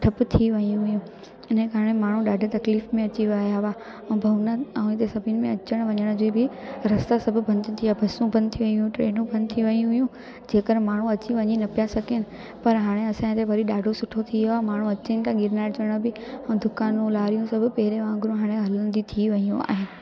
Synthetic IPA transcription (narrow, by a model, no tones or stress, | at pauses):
ʈʰɐpt̪ʰiʋɐijũɦʊjũ | ɪnə̃kʰaːɽ̃emaːɳ̤ũɗaːɖʱət̪ɐkliːfmẽɐt͡ɕiʋajaʋa | ɛ̃ːbʱɐʋnaɦĩt̪esɐbʱɪnɪ̆mẽɐt͡ɕəɽ̃ʋɐɲəɽ̃d͡ʑoːbɪɾɐst̪asɐbʱʊbʱɐ̃nd̪t̪ʰiabʱɐsũbʱɐ̃nd̪t̪ʰiʋɐiɦʊjũʈɾeːnũbʱɐ̃nd̪t̪ʰiʋɐjũɦʊjũ | d͡ʑeːkəɾmaːɳ̤ũɐt͡ɕiʋɐɲinɐpijasɐɡenɪ̆ | pɐɾɦaːɽ̃eɐsãt̪ʰeʋɐɾiɗaːɖʱosʊʈʰot̪ʰiɦiamaːɳ̤ũɐt͡ɕenɪt̪aɡɪɾnaːd͡ʑəɽ̃əbɪɛ̃ːd̪ʊkaːnũlaːɾijũsɐbʱʊpɐɦɪɾeʋãːŋɡɾũɦaːɽ̃ẽɦɐlənd̪it̪ʰiʋɐijũa̰ːɦɪːnɪ̆